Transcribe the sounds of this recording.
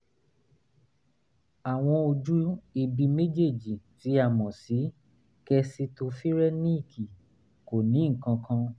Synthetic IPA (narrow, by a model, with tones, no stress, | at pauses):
a˨w̃ɔ̃˧o˧d͡ʒu˦i˧bi˧me˦d͡ʒe˦˨d͡ʒi˨ti˨˦a˦˨mɔ̃˨si˨˦ | kɛ˧si˧to˧fi˦ɾɛ˦nĩ˦i˦˨kʰi˨ | ko˨nĩ˨˦ŋ̩˨kã˧kʰã˧